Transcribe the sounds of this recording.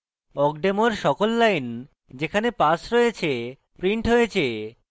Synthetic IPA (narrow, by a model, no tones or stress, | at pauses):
ɔkɖemoɾʃɔkolːajn | d͡ʑekʰanepasɾɔjet͡ɕʰe | pɾiɳʈɦojet͡ɕʰe